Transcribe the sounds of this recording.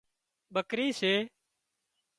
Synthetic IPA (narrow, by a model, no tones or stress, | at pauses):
ɓəkɾiːseː